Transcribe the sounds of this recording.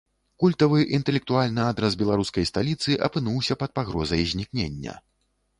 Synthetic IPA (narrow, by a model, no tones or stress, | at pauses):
kulʲt̪ɐvɨʔint̪ɛlʲɛk̚t̪ualʲnɨad̪ɾɐsbʲɛlˠaɾuskɐjst̪alʲit̪sɨʔɐpɨnuwsʲɐpɐt̪̚paɣɾɔzɐjzʲnʲiknʲenʲːɐ̰